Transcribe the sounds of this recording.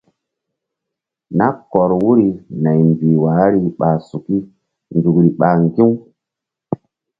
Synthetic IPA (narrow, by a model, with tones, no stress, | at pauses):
na˦kɔ˨ɾwu˦ɾi˨na˨jmbi˨wa˨˦ɾi˦ɓa˨su˨ki˦ | nd͡zu˨kɾi˨ɓa˨ŋɡi˦w